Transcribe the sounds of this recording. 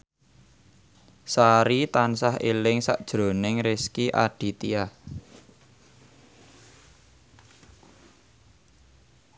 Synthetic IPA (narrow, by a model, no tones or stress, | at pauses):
saɾit̪ansahelɪŋsa̰ʔd̥ʒ̥ɾo̤nɪŋɾɪskiʔaɖ̥i̤t̪iah